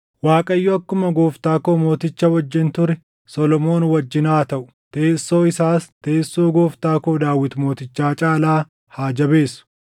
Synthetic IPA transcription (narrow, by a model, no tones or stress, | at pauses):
waːkʼɐjːɔɐkːʊmɐɡoːft̪aːko̞ːmo̞ːt̪ɪt͡ʃːɐwɐd͡ʒːɪnt̪ʊɾɛ | sɔlɔmo̞ːnwɐd͡ʒːɪnaːt̪ɐʔʊ̥ | t̪eːsːo̞ːɪsaːst̪e̞ːsːoːɡo̞ːft̪aːkoːd̪aːwːɪt̪ʊmo̞ːt̪ɪt͡ʃːaːt͡ʃʼaːlaː | haːd͡ʒɐbe̞ːsʊ̥